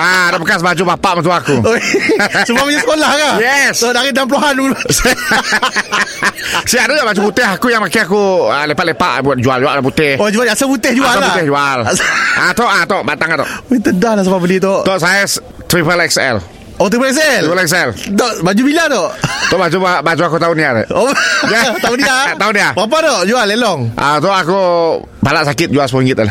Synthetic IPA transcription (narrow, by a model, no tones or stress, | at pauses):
adapəkasbad͡ʒubapaʔmət̪uakuosəbabəɲiə̥kolahkajɛst̪ɔdaɣidampəluɦanumls | siaʔdɔt̪ɔʔbad͡ʒuput̪ɪɦakujaŋmakeakuəlepaʔ̪lepaʔd͡ʒuald͡ʒualʔdap̬ut̪ɪhod͡ʒualasaput̪ɪhd͡ʒualsaaut̪ɪhd͡ʒualʔat̪ɔʔat̪ɔʔbat̪aŋkant̪ɔ̰it̪ədahlasapabəlit̪ɔʔt̪ɔʔsajas | t̪ɾipəlɛksɛ̰l | ot̪ɾipəlɛks̬ɛlupəlɛksɛlt̪ɔʔbad͡ʒubilat̪ɔʔt̪ɔʔbad͡ʒubad͡ʒuakut̪auniat̪a̰ʔojat̪auniat̪auniabap̬at̪ɔʔd͡ʒualːelɔŋʔa̰t̪ɔʔaku | palaʔsakɪt̪̚d͡ʒualspuiŋɡɪt̪la